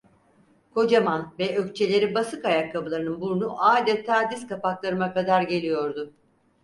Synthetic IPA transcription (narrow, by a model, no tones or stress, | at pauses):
kʰo̞d͡ʒamanvɛøct͡ʃʰe̞lʲe̞ɾibasɯkajakʰːabɯlˠaɾɯnɯnbuɾnuʔaːd̪ɛt̪ʰaːd̪iskapaklˠaɾɯmakad̪aɾɟe̞lʲijo̞ɾd̪ʊ